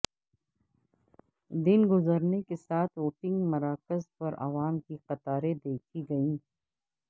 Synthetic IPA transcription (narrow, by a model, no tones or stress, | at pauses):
d̪ɪnɡʊzəɾnekesaːt̪ʰʋoːʈɪ̃ŋɡmɐɾaːkɪzpɐɾʔɐ̰ʋaːmkiqɐt̪aːɾed̪eːkʰiɡɐĩː